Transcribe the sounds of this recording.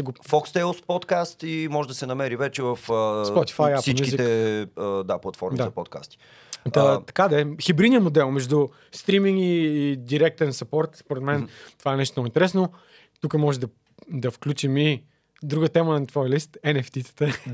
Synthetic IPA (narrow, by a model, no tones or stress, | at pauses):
ɛɡofɔkst̪ɛlˠspɔt̪kast̪imɔʒɛd̪ɐsɛnɐmɛɾivɛt͡ʃɛvɐfəspɔt̪i̥fajasimukizit̪ɛ | d̪aplˠɐt̪fɔɾmdizaɐpɔt̪̚ka̰st̪i̥ | d̪ɐt̪ɐ̥kad̪ɛxibɾid̪nijəmod̪ɛlˠmɛʒd̪u | st̪ɾimiŋiːd̪iɾɛk̚t̪ɛnsɐpɔɾt̪spoɾɛt̪mɛnt̪o̥vaɛnɛʃ̬t̪omnɔɡʊint̪ɛɾɛsno | t̪ukəmɔʒɛd̪ɐ | d̪ɐfklʲut͡ʃimi | d̪ɾuɡət̪ɛmənɐt̪vɔjəlist̪ɛnɛft̪it̪sə̥t̪ə